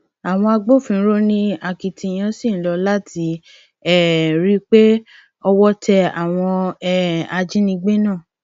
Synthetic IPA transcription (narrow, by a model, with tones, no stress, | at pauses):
a˨w̃ɔ̃˧a˧ɡ͡bo˦˨fĩ˧˨˦ɾo˦nĩ˦a˨ki˨tĩ˧˨j̃ã˧˦si˦˨˦lɔ˨˧la˦ti˨˧ | ɛ˦˨ɾi˦k͡pe˦ | ɔ˧wɔ˦tʰɛ˧a˨w̃ɔ̃˧ɛ˦a˧d͡ʒĩ˦nĩ˧ɡ͡be˦nãː˦˨